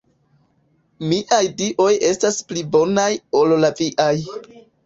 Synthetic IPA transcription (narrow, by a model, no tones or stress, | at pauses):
miʔajdiʔo̞je̞stasplibo̞najo̞llaviʔaj